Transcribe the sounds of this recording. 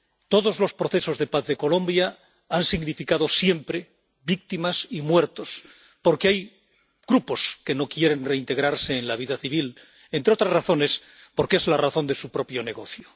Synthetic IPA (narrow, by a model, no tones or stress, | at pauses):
t̪o̞ðo̞zlo̞spɾo̞θeso̞zðe̞paθðe̞ko̞lõ̞mbja | ansiɣnifikaðo̞sje̞mpɾe̞ | βik̚t̪imasimwe̞ɾt̪o̞s | po̞ɾkeaj | ɡ̥ɾupo̞ske̞no̞kje̞ɾe̞nre̞int̪e̞ɣɾaɾse̞ːnlaβ̞iðaθiβ̞il | e̞nt̪ɾeo̞t̪ɾazraθo̞ne̞s | poɾkeezlaraθo̞nd̪e̞supɾo̞pjo̞ne̞ɣ̞o̞θjo